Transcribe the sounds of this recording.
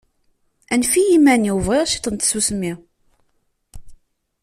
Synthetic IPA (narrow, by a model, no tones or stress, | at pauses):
ænfijimæniwvʁeʁʃi̥t̪ˤənt̪susmi